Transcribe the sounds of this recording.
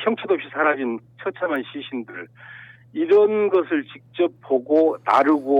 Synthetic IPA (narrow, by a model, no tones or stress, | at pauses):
pʰjʌŋt͡ɕʰedoʌpɕ͈ʰisʰaɾad͡ʑint͡ɕʰʌt͡ɕʰamanɕʰiɕʰindɯɭ | iɾʌnɡʌsʰɯɭt͡ɕik̚t͡ɕ͈ʌp̚poɡonaɾuɡo